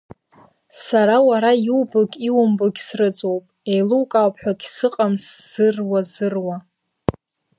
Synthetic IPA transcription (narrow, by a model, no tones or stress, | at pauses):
saɾawaɾajiuwbɨɡʲiwʊmbɨɡʲsrɨt͡sʼo̞wpʼejluwkʼawpʰħʷᶣaɡʲsɨqʼamsz̥ɨrwazɨrwa